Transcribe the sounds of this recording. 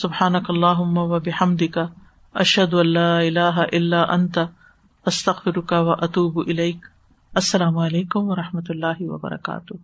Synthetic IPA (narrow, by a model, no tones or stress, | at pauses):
sʊbħaːnɐkɐlˤːaːɦʊmːawɐbɪħɐmd̪ɪka | ʔɐʃhɐd̪ʊɐ̃lːaːɪlaːɦaʔɪlːaːʔɐnt̪a | ɐst̪ɐɣfɪɾʊkawɐʔɐt̪uːbʔɪlejk | ɐsːɐlaːmʊɐleːkʊmwɐɾˤɑħmɐt̪lːaːɦɪwɐ̰bɐ̰ɾɐ̰ka̰ːt̪ʊh